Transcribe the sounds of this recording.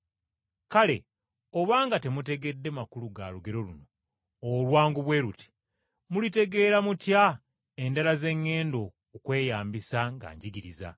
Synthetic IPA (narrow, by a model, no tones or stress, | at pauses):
kale̞̰ | oβaːŋɡate̞mute̞ɡe̞dːe̞makuluɡaːluɡe̞ɾo̞luno̞ | olwaːŋɡuβwe̞ːɾuti̥ | mulite̞ɡe̞ːɾamutja | e̞ndalaze̞ŋːe̞ːndo̞ː | kwe̞ːjaːmbisaŋɡa̰ːɲɟiɡiɾiza̰